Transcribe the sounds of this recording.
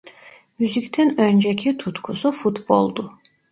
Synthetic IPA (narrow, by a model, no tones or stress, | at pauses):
myzict̪ʰɛnønd͡ʒɛcʰit̪ʰut̪kʰusufut̪bo̰lˠd̪u